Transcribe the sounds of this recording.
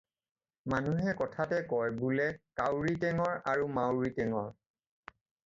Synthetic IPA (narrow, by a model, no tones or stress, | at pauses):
manuɦɛkɔtʰatɛkɔɹbulɛkawɹitɛŋɔɹaɹumawɹitɛŋɔɹ